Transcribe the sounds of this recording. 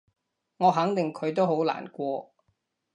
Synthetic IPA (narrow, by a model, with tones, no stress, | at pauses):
ŋɔː˨˧ɦɐ˨˥ŋt̪ɪ˨ŋkʰɵ˨˧ɥt̪o˥wɦo˨˥wla̰ː˨˩nkʷɔː˧